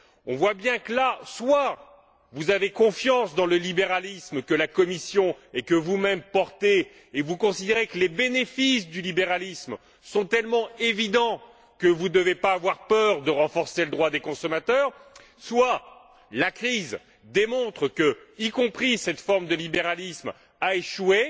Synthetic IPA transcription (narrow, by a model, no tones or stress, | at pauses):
ɔ̃vwabjɛ̃kəlaswa | vuzavekɔ̃fjɑ̃sd̪ɑ̃ləlibeʁalismkəlakɔmisjɔ̃ɛkəvumɛmpɔʁt̪eː | vukɔ̃sid̪eʁekəlebenefisd̪ylibeʁalism | sɔ̃t̪ɛlmɑ̃evid̪ɑ̃ | kəvud̪əvepaːvwaʁpœʁd̪əʁɑ̃fɔʁseləd̪ʁwad̪ekɔ̃sɔmat̪œːʁ | swa | lakχiz | d̪emɔ̃t̪χəkəikɔ̃pχisɛt̪fɔʁmd̪əlibeʁalism | aeʃwe